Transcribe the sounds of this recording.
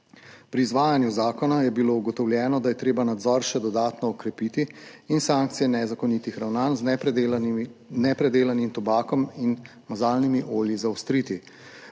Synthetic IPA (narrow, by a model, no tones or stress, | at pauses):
pɾiːzʋaːjanjuzaːkɔnajɛbilouɡɔt̪ɔwljɛːnɔd̪ajɛt̪ɾeːbanad̪zɔɾʃɛd̪ɔd̪aːt̪nɔːkɾɛpit̪iːnsaːŋk̚t̪sijɛnɛzakɔnit̪ixɾawnaːnz | nɛpɾɛd̪eːlanimt̪ɔbaːkɔmin | mazaːlnimiʔoːljizawst̪ɾiːt̪i